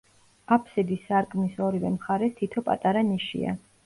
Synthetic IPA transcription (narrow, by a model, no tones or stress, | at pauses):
apʰsɛd̪isːaɾkʼmisɔɾivɛmχaɾɛt̪ʰit̪ʰɔpʼa̰t̪ʼaɾaniʃḭa̰